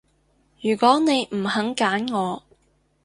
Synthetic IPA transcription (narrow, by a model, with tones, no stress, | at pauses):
jyː˨˩kɔː˨˥ne˨˧jm̩˨˩hɐ˨˥ŋkaː˨˥nŋɔː˨˧